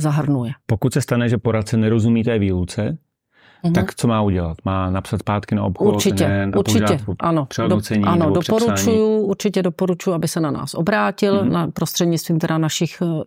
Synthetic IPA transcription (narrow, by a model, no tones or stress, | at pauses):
zaɦr̩nujɛpo̞kut̪sɛst̪anɛʒɛpoɾat̪̚t͡sɛnɛɾo̞zumiːt̪ɛːviːlut͡sɛ | t̪akt͡somaːuɟɛlat̪maːnapsat̪spaːt̪kɪnaopxuoɾt͡ʃɪcɛʔuɾt͡ʃɪɛʔanoodt͡sɛɲʔanodopoɾut͡ʃujuʔuɾt͡ʃɪcɛdopoɾut͡ʃujuabɪxsɛnana̰ːsʔo̰bɾaːcɪlnapɾost̪r̥ɛdɲɪtt͡st̪viːmt̪ɛdanaʃɪx